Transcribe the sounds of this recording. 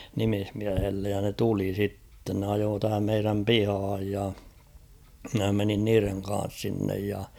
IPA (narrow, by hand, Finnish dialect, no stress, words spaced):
nimihmiæhelːej jɑ ne tuli sitːen ne ɑjoː tæhæm meiræm pihɑːj jɑ mɪ̆næ menin niːreŋ kɑ̃ːs sinːej jɑ